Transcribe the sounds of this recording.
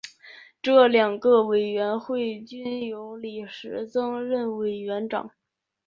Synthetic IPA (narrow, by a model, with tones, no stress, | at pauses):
ʈ͡ʂɤ˥˩ljɑ˨˩ŋɡə˧we˨˩ɪɥɛ˧˥nxwe˥˩ɪt͡ɕy˥njo˧˥ʊli˨˩ʂɻ̩˧˥t͡sɤ˥ŋɻə˥˩nwe˨˩ɪɥɛ˧˥nʈ͡ʂɑ̰˨˩˦ŋ